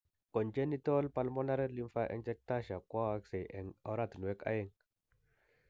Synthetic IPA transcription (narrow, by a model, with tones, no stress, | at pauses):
ko˨nd͡ʒe˦ni˦to˦lpa˦lmɔ˦na˦ɾɛ˦li˦mfa˦ʔɛ̰˦nd͡ʒɛ˦k̚ta˦ʃa˨kwa˦wa˦kse˨ʔɛ˨ŋo˨˦ɾa˦˨tnu˨wɛ˦ka̰˦jɛ˦ŋ